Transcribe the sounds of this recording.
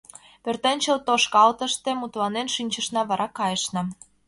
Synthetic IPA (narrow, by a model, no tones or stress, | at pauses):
pørt̪enʲt͡ɕəlt̪oʃkɑlt̪ə̆ʃt̪emut̪lɑnenʃynʲt͡ɕə̆ʃnɑβɑɾʔɑkɑjəʃnɤ̆